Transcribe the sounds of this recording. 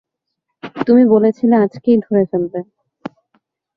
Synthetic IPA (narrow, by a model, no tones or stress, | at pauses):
t̪umibolet͡ɕʰilead͡ʑkejd̪ʱoɾed͡ʑalb̪e